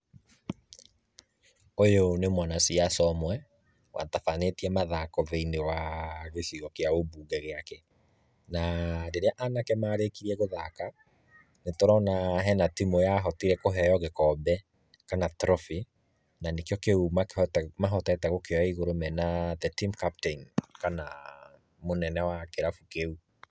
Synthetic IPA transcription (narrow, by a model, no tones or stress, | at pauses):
ojonemwanasiasɔmwɛ | wa̰tafanetiɛmaðakɔveinewaɣesiɣɔkeaobuːɡɛɣeakɛ | nadeɾeaʔanakɛmaːɾekiɾiɛɣoðaka | netoɾɔnaɦɛnatimojaɦɔtiɾɛkoɦɛjɔɣekɔbɛ | kanatɾɔfi | nanekejɔkeumamaɦɔtɛtɛɣokeɔaiɣoɾomɛnaðɛtimkapteinkana | monɛnɛwakeɾafukeu